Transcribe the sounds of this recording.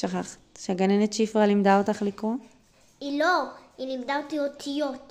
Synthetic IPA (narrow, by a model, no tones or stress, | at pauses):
ʃaχaχḁtʃeaɡanenett͡ʃifʁalimd̪aotaχlikʁo | iloilimd̪aotiot̪ʰijot